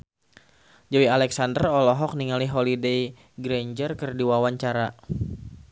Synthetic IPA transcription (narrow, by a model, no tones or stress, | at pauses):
d͡ʒawialɛksandərɔlɔɦɔk̚niŋaliɦolidej | ɡɾɛɲd͡ʒərkərdiwawaɲt͡ʃaɾa